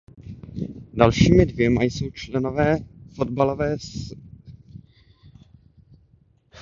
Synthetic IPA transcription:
dalʃiːmɪdvjɛmajso̞wt͡ʃlɛnovɛːfod̪balovɛːs

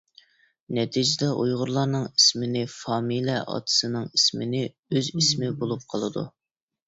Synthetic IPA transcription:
nɛt̪ʰid͡ʒɪd̪ɛʔujʁʊɾlˠɑɾnɨŋismɪnɪfɑːmiliɛʔɑ̰t̪ʰɨ̥sɨnɨŋismɪnɪ | øzismɪbolˠup̚qʰɑlˠɨd̪ṵ

